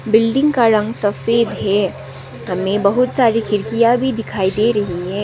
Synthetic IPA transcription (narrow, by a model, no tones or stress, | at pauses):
bɪlɖɪ̃ŋɡkaɾə̃ŋɡsɐfeːd̪ɦɛ | ɦɐmẽbɐɦʊt̪saːɾikɪɾkijabʱid̪ɪkʰaːid̪eɾɐɦiɦɛː